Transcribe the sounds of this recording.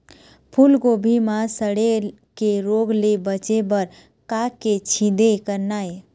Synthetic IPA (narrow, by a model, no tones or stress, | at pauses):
pʰulɡobʱimãsəɽe | keɾoɡlebət͡ʃebəɾ | kaket͡ʃʰĩd̪ekəɾnae